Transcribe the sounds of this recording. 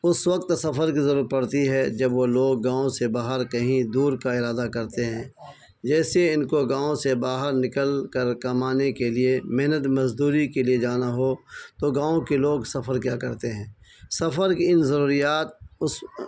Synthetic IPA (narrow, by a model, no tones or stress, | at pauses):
ʊswək̚t̪sɐfʰəɾkizɐɾuːɾət̪̚pɐɽt̪iɦɛd͡ʒɐbʋoloːɡ̚ːãːõsebaːɦəɾkɐɦĩd̪uːɾkaɪɾaːd̪akɐɾt̪eɦɛ̃ː | d͡ʒɛːseɪnkoɡãːõsebaːɦəɾnɪkəlkəɾkɐmaːnekeliemɪɦnət̪mɐzd̪uːɾikelied͡ʒaːnaɦot̪oɡãːõkeloːɡsɐfəɾkjaːkɐɾt̪eɦɛ̃ːsɐfəɾkiɪnzɐɾuːɾijaːt̪̚ʊs